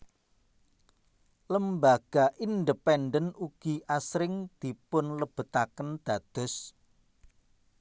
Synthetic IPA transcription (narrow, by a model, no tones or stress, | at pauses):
ləmbaɡ̥aʔind̪əpɛnɖənuɡ̥i̤ʔasɾɪŋd̪̥i̤pʊnləb̥ə̤t̪akənd̪̥a̤d̪̥ʊ̤s